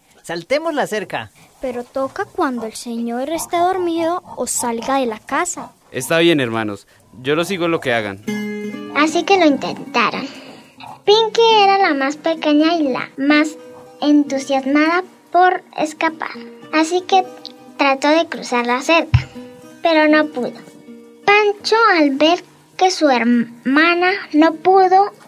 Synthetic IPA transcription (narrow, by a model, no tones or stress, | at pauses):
salt̪emozlaseɾka̰peɾot̪okakwand̪oelseɲoɾest̪eðo̞ɾmiðo̞ːsalɡaðe̞lakasa | e̞st̪aβje̞neɾma̰nos | d͡ʒo̞lo̞s̬iɣoelo̞ke̞aɣa̰n | asike̞lo̞int̪ḛnt̪aɾo̰n | piŋkieɾalamaspekeɲaila̰masent̪usjazmaða | poɾḛskapa̰ɾasiket̪ɾat̪o̞ðe̞kɾṵsaɾlaseɾkḁpeɾo̞no̞puðo | pant͡ʃoalbeɾ | kesueɾmanano̞puðo